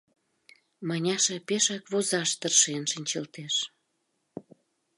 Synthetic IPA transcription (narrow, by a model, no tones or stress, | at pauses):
mɑnʲɑʃɑpeʃɑkβozɑʃt̪ərʃenʃənʲt͡ɕəlt̪eʃ